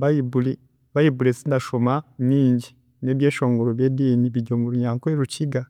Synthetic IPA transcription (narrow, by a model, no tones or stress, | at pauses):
βajibuli | βajibulesinaʃomaɲiːɲɟi | ne̞βjeːʃo̞ːŋɡoɾoβjeːdiːniβiɟomuɾuɲaːŋkoeɾuciɡa